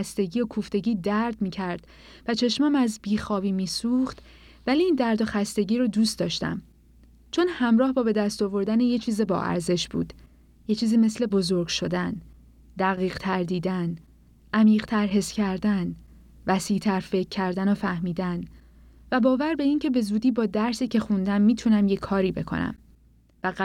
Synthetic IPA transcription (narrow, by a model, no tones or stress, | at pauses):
æst̪e̞ɟiːokʰuft̪e̞ɟiːd̪æɾd̪miːcʰæɾd̪̥ | væt͡ʃʰe̞ʃmæmæzbiːxɒːviːmiːsuːxt̪ | væliːnd̪æɾd̪oxæst̪e̞ɟiːɾod̪uːst̪d̪ɒːʃt̪æ̰m | t͡ʃʰo̞nhæmɾɒːhbɒːbe̞d̪æst̪ovo̞ɾd̪ænejet͡ʃʰiːzebɒ̰ːʔæ̰ɾze̞ʃbṵːd̪̥ | jet͡ʃʰiːziːme̞sle̞bo̞zo̞ɾɡʃo̞d̪æn | d̪æɣiːɢt̪ʰæɾd̪iːd̪æn | ʔæmiːʁt̪ʰæɾɦe̞scʰæɾd̪æn | væsiːt̪ʰæɾfe̞cʰːæɾd̪ænofæhmiːd̪æn | væbɒːvæɾbe̞iːŋcʰe̞be̞zuːd̪iːbɒːd̪æɾsiːcʰe̞xund̪æmːiːt̪ʰunæmje̞kʰɒːɾiːbe̞̰kʰo̞̰næ̰m | væ